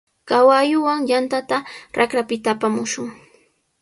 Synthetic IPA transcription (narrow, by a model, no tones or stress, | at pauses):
kawajʊwaŋjant̪at̪aɾakɾapɪt̪aːpamʊʃʊŋ